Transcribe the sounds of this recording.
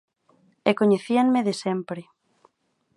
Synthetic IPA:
ekoɲeθiaŋmeðesɛmpɾɪ

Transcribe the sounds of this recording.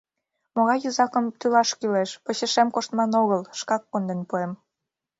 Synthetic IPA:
moɣɑjːəzɑkəmt̪ylɑʃkyleʃpə̆ɕə̆ʃemkoʃt̪mɑnoɣəlʃkɑkːond̪enpuem

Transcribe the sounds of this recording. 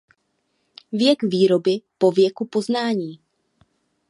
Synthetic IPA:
vjɛɡviːɾo̞bɪpo̞vjɛkupo̞znaːɲiː

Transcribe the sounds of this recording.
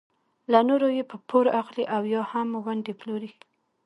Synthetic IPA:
lanoɾojepəpʰoɾaxliʔawjɑhamwand̪eploɾi

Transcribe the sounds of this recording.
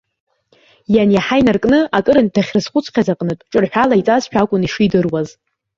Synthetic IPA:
janjaħajnarkʼnɨakʼɨɾɨntʰaχʲrɨzχʷʊt͡sʰʼqʲazaqʼnɨtʷʼʈ͡ʂʼɨrħʷᶣalait͡sʼazʃᶣakʷʼʊniʂidɨrwaz

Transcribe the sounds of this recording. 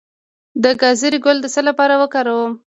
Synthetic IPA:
d̪əɡɑziɾiɡʊld̪əsəlapɑɾawəkɑɾawəm

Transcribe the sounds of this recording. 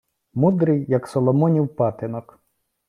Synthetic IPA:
mud̪ɾɪjːɐksɔlˠɔmɔnʲiwpɑt̪ɪnɔk

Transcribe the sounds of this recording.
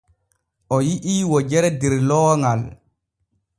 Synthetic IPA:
ʔɔjiʔiːwɔd͡ʒɛɾɛdɛɾlɔːŋal

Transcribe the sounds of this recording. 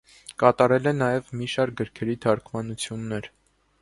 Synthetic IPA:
kɑt̪ɑɾɛlɛnɑjɛvmiʃɑɾk̚ɡəɾkʰɛɾit̪ʰɑɾkʰmɑnut͡sʰjunːɛɾ

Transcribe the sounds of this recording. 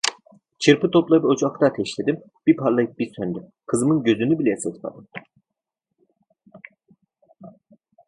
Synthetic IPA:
t͡ʃʰɯɾpʰɯt̪ʰo̞plˠabot͡ʃakt̪ʰaːt̪ʰɛʃlʲed̪im | b̥ipʰaɾlˠajɯp̚bisønd̪ykʰɯzɯmɯnɟø̞zynybilʲɛjsɯt̪ʰma̰d̪ɯm

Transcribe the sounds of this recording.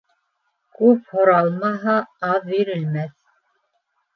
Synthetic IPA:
kʉphŏɾɑlˠmɑɦɑɑðbiɾɘ̆lmæθ

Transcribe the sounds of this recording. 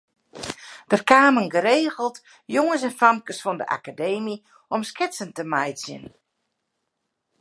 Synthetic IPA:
d̥ərkaːməŋɡəɾeːɣəlˠt | joŋəsɛnfamkəsfɔndə̰ʔa̰kadeːmi | ɔmskɪsəntəmajsjə̰n

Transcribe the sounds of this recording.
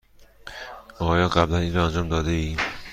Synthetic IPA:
ɒːjɒːqablaninɾɔːand͡ʒɒːmd̪ɒːd̪eiː

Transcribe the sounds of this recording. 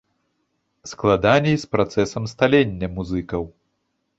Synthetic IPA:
sklˠad̪anʲɛjspɾat̪sɛsɐmst̪alʲenʲːɐmuzɨkɐw

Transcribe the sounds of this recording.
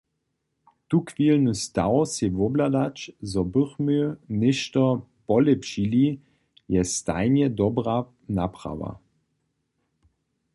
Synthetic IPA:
t̪ukvilnust̪awsɛʋɔblad̪at͡ʃzɔbəχmønɪʃt̪ɔpɔlɛpʃili | jɛst̪a̰jnɛd̪ɔbra | napra̰ʋa̰

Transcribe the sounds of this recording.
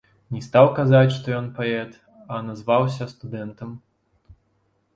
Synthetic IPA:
nʲɛst̪awkazat͡sʲʂt̪ɔjɔnpaɛt̪ | ɐnazvaws̬ʲɐst̪ud̪ɛnt̪ɐm

